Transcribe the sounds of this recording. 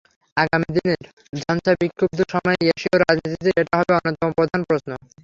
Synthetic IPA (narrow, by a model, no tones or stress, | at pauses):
aɡamid̪ineɾ | d͡ʑʱɔnt͡ɕabikʰːob̚d̪uʃɔmɔeeʃioɾad͡ʑnit̪it̪iʔeʈaɦɔbeɔnːot̪ːɔmopɾod̪ʱanpɾosno